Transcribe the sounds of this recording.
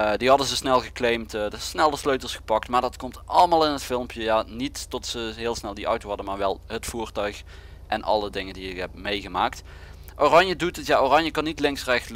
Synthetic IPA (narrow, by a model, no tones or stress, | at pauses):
diɦɑdənzəsnɛlˠɣəklejmtdəsnɛlˠəsløɥtəlˠsχə̥pɑk̚tmaːɹdɑtkɔmtʔɑlˠəmaːlˠɪnətfɪlˠmpjəjanitːɔtsəɦɪːlˠsnɛlˠdiʔʌ̰wtowɦɑdəmaːɹʋɛlˠɦətfuːɹtœɥx | ʔɛnʔɑ̰lˠədɪŋəndiɪkɦɛp̚mejɣəmaːkt | ʔoːrɑɲjədutətjaʔoːrɑɲjəkɑnːitlɪŋsrɛxt